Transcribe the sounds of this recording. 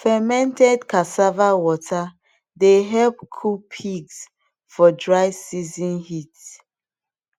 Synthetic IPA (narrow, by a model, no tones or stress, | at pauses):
fɛmɛ̃ntɛdkʰasavawɔtʰa | deɦɛlpkʰupʰiɡs | fɔdɹaɪsizɔ̃nhit